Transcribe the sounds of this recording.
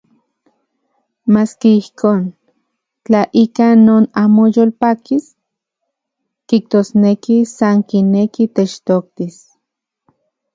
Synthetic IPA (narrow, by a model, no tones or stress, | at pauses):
maːskeihkʰoːn | t͡ɬaʔikanoːnaːmojolpakis | kiht̪oːsnekisaŋkinekit̪et͡ʃt̪ok̚t̪is